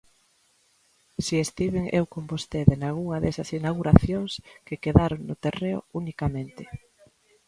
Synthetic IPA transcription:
siest̪iβ̞ɪŋʔewkombost̪eðenalɣuŋɐðɛsɐsinaɣuɾaθjoŋskɪkeðaɾoŋnʊt̪ereʊ̰unikamẽnt̪ɪ

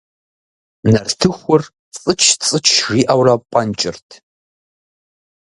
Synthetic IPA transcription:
nɐrtʰɨxʷʊr | t͡sʼɨt͡ʃʰt͡sʼɨt͡ʃʰʒiːʔɐwrɐpʷʼɐnt͡ʃʼɪrtʰ

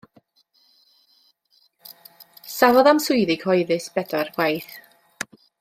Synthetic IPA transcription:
savɔðamsʊjðɪɡ̥hɔjðɨsb̥ɛdɔrɡwajθ

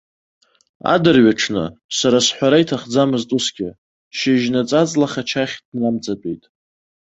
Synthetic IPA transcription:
a̰dɨrɥaʈ͡ʂʰnɨ̰saɾasħʷaɾaitʰaχd͡zamɨztʼʊsɡʲɪ | ʃɪʒnat͡sʼat͡sʼlaχat͡ʃʰaχʲdnamt͡sʼat͡pʼḛjtʼ

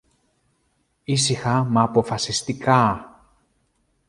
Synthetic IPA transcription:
isixɐmɐːpo̞fɐsist̪ikɐ

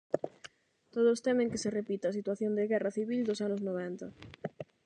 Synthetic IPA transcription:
t̪oð̞ʊst̪ɛmɪ̃ŋkɪserepit̪ɪɐsit̪waθjond̪ɪɣɛrɐθiβild̪osanʊznoβɛnt̪ɐ

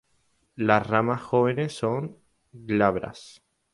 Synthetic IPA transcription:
lasramasxoβene̞sːoŋ | ɡlaβɾa̰s

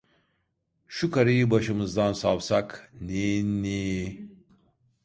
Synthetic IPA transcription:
ʃukaɾijibaʃɯmɨzd̪ansawsakninni

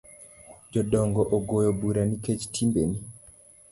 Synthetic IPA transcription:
d͡ʒɔɗɔŋɡɔʔoɡojobuɾaniket͡ʃtʰimbḛni

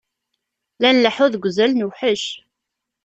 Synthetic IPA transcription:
lænləħʊðɡʷzælnuwħəʃ

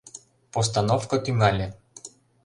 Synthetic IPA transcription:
post̪anofkot̪ʲyŋɑlʲe

